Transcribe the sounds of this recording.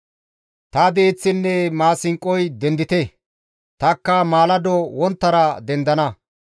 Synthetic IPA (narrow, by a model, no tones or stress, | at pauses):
t̪ɐd̪eːt͡sːɪnːɛmaːsɪŋkʼːɔjd̪ɛnd̪ɪt̪ɛ | t̪ɐkːɐmaːlɐd̪ɔwɔnt̪ːɐɾɐd̪ɛnd̪ɐnɐ